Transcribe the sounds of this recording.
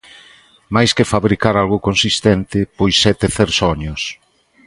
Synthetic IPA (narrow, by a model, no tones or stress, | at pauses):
majskɪfaβɾikaɾalɣʊkonsist̪ɛnt̪ɪpojsːɛt̪eθeɾsɔɲʊs